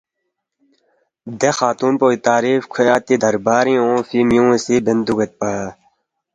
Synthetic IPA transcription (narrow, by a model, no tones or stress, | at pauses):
d̪exaːt̪uːnpoːit̪aːɾiːfkʰeat̪id̪ɐɾbaːɾĩõːfimjũːẽsibend̪uɡet̪̚paa